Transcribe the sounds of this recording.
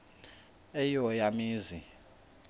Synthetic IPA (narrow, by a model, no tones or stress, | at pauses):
ɛjɔjamiːzi